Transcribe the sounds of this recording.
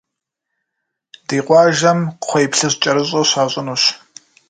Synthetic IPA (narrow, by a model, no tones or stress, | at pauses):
d̥iːqʷʼɑːʒɐmʰʷejpɬɨɕt͡ʃʼɐɾɨɕʼoɕaːɕʼɪnuːɕ